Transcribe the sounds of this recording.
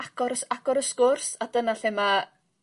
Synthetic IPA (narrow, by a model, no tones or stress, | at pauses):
aɡɔɾsaɡɔɾəskʊrsadənaɬɛma